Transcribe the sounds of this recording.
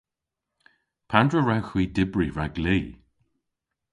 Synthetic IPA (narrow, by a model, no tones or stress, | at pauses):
pʰandɹəɹawxwiːdɪbɹiɹaɡliː